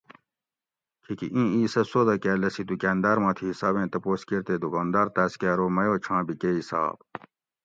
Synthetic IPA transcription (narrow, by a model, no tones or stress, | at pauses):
kʰikḭʔĩːiːsɐsoːd̪ɐkæːlɐsit̪ukæːnd̪aːɾmãːt̪ʰiɦisaːbẽːt̪ɐpoːskiɾt̪ed̪ukaːnd̪aːɾt̪æːskæːɾoːmɐjoːt͡ɕʰãːbikeːisa̰ːb